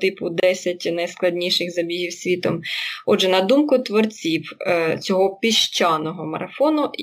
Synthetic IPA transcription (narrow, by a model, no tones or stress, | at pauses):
t̪ɪpʊd̪ɛsʲɐt̚ʲnɐjsklˠɐdʲnʲiʃɪxzɐbʲiɦiwsʲʋʲit̪ɔmɔdʒɛnɐd̪umkʊt̪ʋɔrt͡sʲiwt͡sʲɔɦɔpʲiʃt͡ʃɑnɔɦɔmɐ̰ɾɐfɔnʊ